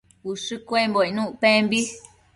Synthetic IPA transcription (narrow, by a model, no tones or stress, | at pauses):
uʂɨkʷemboinũʔpẽmbi